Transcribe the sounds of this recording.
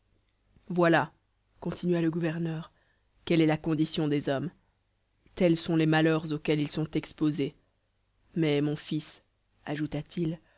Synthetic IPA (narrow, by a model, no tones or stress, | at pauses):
vwala | kɔ̃t̪ʰinɥaləɡuvɛʁnœːʁ | kɛlɛlakɔ̃d̪isjɔ̃d̪ezɔm | t̪ɛlsɔ̃lemalœʁzokʲɛlilsɔ̃t̪ɛkspoze | mɛmɔ̃fis | aʒut̪at̪ʰil